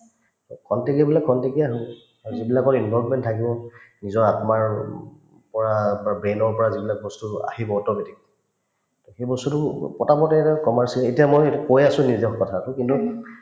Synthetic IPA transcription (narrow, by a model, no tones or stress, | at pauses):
kʰɔntekiabilakʰːɔntekiaɦibɔ | aɹzibilakɔɹinbɔlvmɛntʰakibɔnizɔɹatmaɹ | pɔɹabɹenɔɹpɔɹazibilakbɔstua̰hibɔɔtɔbetik̚ | tɔxejbɔstutʊpɔtapɔtɛtakɔmaɹsiletijamojkojasʊ̃nizɔxkɔtʰatʊkintu